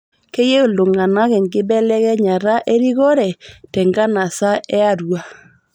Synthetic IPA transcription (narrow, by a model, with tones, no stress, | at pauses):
kɛ˦je˦o˨lo˨ŋa˨na˦ɣɛ˨ŋɡɪ˦bɛ˦lɛ˦ɣɛ˦ɲa˨ɾa˦ʔe˦ɾi˦ɣɔ˦ɾɛ˨tɛ˨ŋɡa˦na˨sa˦ɛ˦a˦˨ɾwa˨